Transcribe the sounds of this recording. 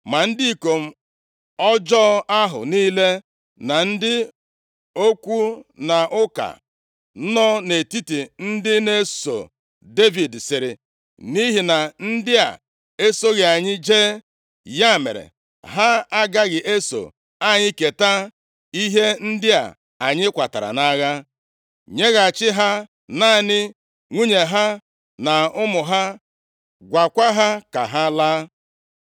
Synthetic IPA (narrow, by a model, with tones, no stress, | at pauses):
ma˨n̩˦dɪ˦i˦˨ko˨m̩˦ | ɔ˦d͡ʒɔ˦a˦ɦʊ̰˨niː˦le˦ | na˨n̩˦dɪ˦ | o˦kʷu˦na˨ʔʊ˦ka̰˨˦ | nɔ˦ne˨ti˦ti˨n̩˦dɪ˦ne˦so̰˨ | de˦vi˨dsɪ˨ɾɪ̰˨ | ni˦ɦi˨na˨n̩˦dɪ˦a̰˨ | e˦so˦ɣe˨a˨ɲɪ˦d͡ʒe˦ | ja˦˨mḛ˨ɾḛ˨ | ɦa˦a˦ɡa˦ɣɪ˨ʔe˦so̰˨ | a˦ɲɪ˦ke˨ta˦ | i˦ɦe˦n̩˦dɪ˦a̰˨ | a˨ɲɪ˦kʷa˨ta̰˨ɾa̰˨na˦ɣa˦ | ɲe˦ɣa˨t͡ʃɪ˦ɦa˦ | na˦˨nɪ˦ | ŋʷu˦ɲe˨ɦa˦ | na˨ʊ˦mʊ˨ɦa˦ | ɡʷa˨kʷa˦ɦa˦ka̰˨ɦa˦laː˦